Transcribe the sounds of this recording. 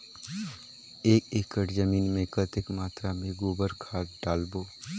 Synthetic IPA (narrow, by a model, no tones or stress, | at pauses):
eːkeːkəʈzəmiːnmẽkət̪ɪkmaːt̪ɾamẽɡoːbəɾkʰaːtɖaːlboː